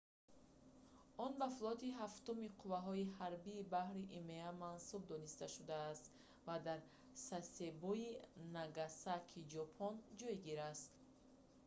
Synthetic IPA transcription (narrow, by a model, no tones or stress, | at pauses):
ɔnbafulˠɔt̪iɦaft̪umiqʰuvaɦɔihaɾbiːbahɾiʔimeamansub̚d̪ɔnist̪aʃud̪aːst̪ | vad̪aɾ | sase̞bɔinaɡasakʰid͡ʒɔpʰɔnd͡ʒɔjɡiɾast̪